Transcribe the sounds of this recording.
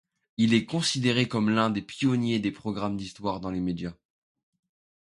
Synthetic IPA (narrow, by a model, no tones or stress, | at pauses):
ilɛkɔ̃sid̪eʁekɔmlɛ̃d̪epjɔnjed̪epχɔɡʁamd̪ist̪waʁd̪ɑ̃lemed̪ja